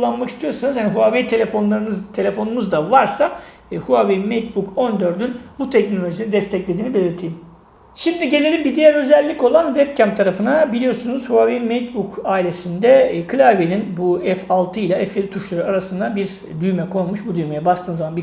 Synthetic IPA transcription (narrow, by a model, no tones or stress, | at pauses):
ulˠːanmakist̪ʰijo̞ɾsanɯzhaniɦuavet̪ʰelʲefonlˠaɾɯnɯt̪ʰe̞lʲe̞fo̞numuzd̪avaɾsa | huavemet̪̚bukʰo̞nd̪ø̞ɾd̪ynbut̪ʰɛcno̞lʲo̞ʒinid̪ɛst̪ʰɛclʲe̞d̪iːnibe̞lʲiɾt̪ʰejim | ʃimd̪iɟe̞lʲe̞lʲimbid̪ijæɾø̞zɛlʲːico̞lˠanvɛb̚cʰæmp̚t̪ʰaɾafɯnabilʲijo̞ɾsunuz̥huavemet̪̚bukaːilʲe̞sind̪ɛkʰɯlʲaveninbuɛfalˠt̪ʰɯilʲˠaɛfelʲit̪ʰuʃlˠaɾuaɾasɯnd̪abiɾ | d̪yjmɛkʰo̞lˠmuʃbud̪yjmejɛbast̪ʰɯːnzamanbi